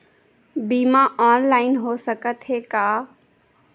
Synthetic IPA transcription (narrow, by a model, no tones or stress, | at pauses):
biːmãʔaːnlaːɪnɦoːsəkət̪ɦeːkaː